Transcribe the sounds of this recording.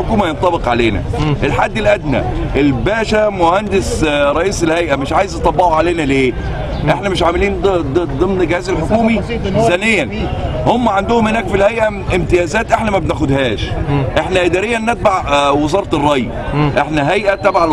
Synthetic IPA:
okuːmæjent̪ˤːɑbeqʕaleːnæ̰ʔelħad̪ːɪlʔæd̪næ̰ʔelbæːʃæmʊhænd̪ɪsɾˤɑʔiːselhæjʔæmɪʃʕaːjezɑt̪ˤɑbːɑʕuʕaleːnæleː | ʔeħnæmɪʃʕamɪliːnd̪ˤɨmnɡɪhæːzælħokuːmisænɪjːæn | homːæʕand̪ʊhʊmhɪnæːkfilhæjʔæʔɪmt̪ɪjæːzæːt̪ʔeħnæmæbnæxʊd̪hæːʃʔeħnæʔɪd̪æːɾɪjːænːet̪̚baʕwɪzɑːɾˤt̪rˤːɑj | ʔeħnæɦæjʔæt̪æbaʕa

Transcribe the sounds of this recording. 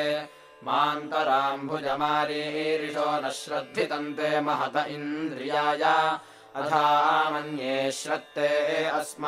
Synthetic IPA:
maːnt̪ɐɾaːmbʱud͡ʒɐmaːɾiːɾiʃoːnɐʃɾɐd̪ʱːit̪ɐnt̪eːmɐɦɐt̪ɐʔind̪ɾijaːjaː | ɐt̪ʰaːmɐnjeːʃɾɐt̪ːeːɐsm

